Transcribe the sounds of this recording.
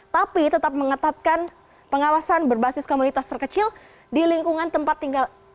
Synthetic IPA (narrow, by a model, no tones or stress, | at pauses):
t̪apit̪ət̪ap̚məŋət̪at̪̚kan | pəŋawasanbərbasɪskomunit̪ast̪ərkət͡ʃɪl | diliŋkuŋant̪əmpat̪ːiŋɡal